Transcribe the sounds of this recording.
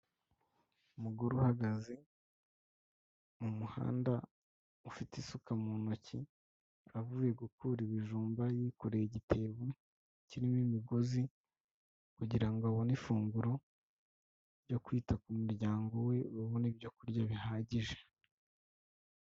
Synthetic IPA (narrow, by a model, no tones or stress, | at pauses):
umuɡuɾuhaɡazi | umuha̰ːnda | ufitisukamuːnoci | avuːje̞ɡukuɾiβiʒuːmbajiːkoɾejiɟitʰe̞βe | ciɾimimiɡo̞zi | kuɟiɾaŋɡoaβonifuːŋɡuɾo̞ | ɾjo̞kwiːtakumuɾɟaːŋɡo̞we̞βaβo̞nibjo̞kuɾɟaβihaːɟiʒe̞̥